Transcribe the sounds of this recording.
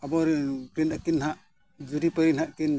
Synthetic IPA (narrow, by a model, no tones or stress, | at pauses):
abɔɾkɾinakinɦaʔ | d͡ʒuɾipəɾinhaʔkin